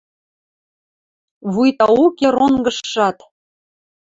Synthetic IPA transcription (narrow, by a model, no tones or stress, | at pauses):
βujt̪ɑukeɾoŋɡə̆ʃːɑt̪